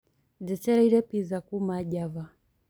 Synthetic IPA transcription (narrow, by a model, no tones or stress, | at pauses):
d͡zɛt͡ʃɛɾaiɾɛpizakumaɟava